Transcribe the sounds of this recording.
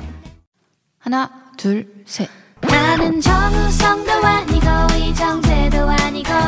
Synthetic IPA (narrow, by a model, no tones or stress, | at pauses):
hanatuɭsʰe | nanɯnd͡ʑʌŋusʰʌŋd̪owaɲiɡʌid͡ʑʌŋsʰedoaɲiɡʌ